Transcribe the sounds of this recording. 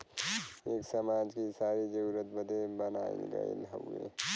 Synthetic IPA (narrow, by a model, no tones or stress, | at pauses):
eːksəmaːd͡ʒkisaːɾid͡ʒəɾuɾət̪̚bəd̪ʱebənaːḭɡə̰ḭlɦõ̰ɡḛ